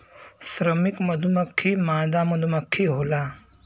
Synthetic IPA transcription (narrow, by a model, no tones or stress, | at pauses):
sɾɐmikmɐd̪ʱumɐkʰːimaːd̪aːmɐd̪ʱumɐkʰːiɦoːlaː